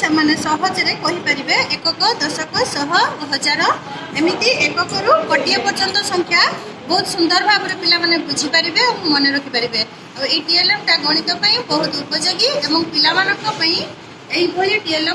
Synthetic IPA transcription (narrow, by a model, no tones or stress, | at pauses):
semanesɔɦɔd͡ʒeɾekɔɦipaɾibeekɔkɔd̪ɔsɔkɔsɔɦɔbɔɦɔd͡ʒaɾɔ | emit̪iʔekɔkɔɾukɔʈijɔpɔɾt͡ʃɔnt̪ɔsɔŋkʰja | bɔɦut̪sund̪ɔɾɔbʱaɡɔɾupilamanebud͡ʒʱipaɾibeõmɔneɾɔkʰipaɾibe | aeiʈielɔmʈaɡɔɽ̃it̪ɔpaĩbɔɦut̪upɔd͡ʒoɡiebɔŋkɔpilamanɔŋkɔpaĩ | eɦibʱɔjuʈielɔ